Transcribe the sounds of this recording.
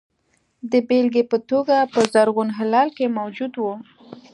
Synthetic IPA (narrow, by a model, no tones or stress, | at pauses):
d̪əbelɡepət̪oɡapəzaɾɣunɦɪlɑlkemawd͡ʒud̪wu